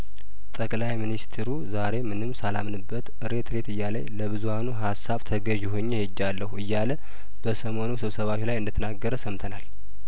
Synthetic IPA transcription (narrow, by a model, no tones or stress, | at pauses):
t̪ʼəkʼlajminist̪ʰeɾuzaɾe̞mɨnɨmːsalamnɨbːət̪ʔɨɾe̞t̪ʰɾe̞t̪ɨjːalə̰ɲləβɨzuhanuɦasːaβt̪ʰəɡəʒɪɦoɲːehed͡ʒːalːəhuɨjːalə | b̥əsəmo̞nusɨβsəβaʃlajɨnd̪ət̪ʰənaɡːəɾəsəmt̪ʰənal